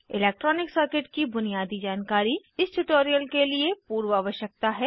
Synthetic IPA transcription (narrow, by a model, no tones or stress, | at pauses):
ɪlɛːk̚ʈɾɔːnɪksəɾkɪʈkibʊnijaːd̪id͡ʒaːnkaːɾiɪsʈʊʈoːɾijəlkeliepuːɾwaːʋəʃjək̚t̪aɦɛː